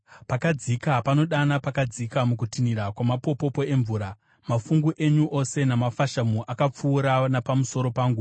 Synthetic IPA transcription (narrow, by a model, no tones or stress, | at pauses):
pakad͡zikapano̞ɗanapakad͡zikamukutiniɾakwamapo̞po̞po̞e̞ɱvuːɾa | mafuŋɡuʔe̞ɲuʔo̞se̞namafaʃamuʔakap͡fuːɾanapamuso̞ɾo̞paːŋɡu